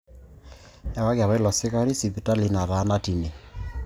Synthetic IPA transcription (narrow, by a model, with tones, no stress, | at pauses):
a˨wa˦kja˨βa˦i˦lɔ˨se˦ka˦ɾi˦si˨pi˨ta˦li˨na˨ða˨˦na˦ti˨ne˨